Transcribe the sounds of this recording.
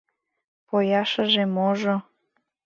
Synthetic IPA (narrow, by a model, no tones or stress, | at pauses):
pojɑʃə̆ʒemoʒo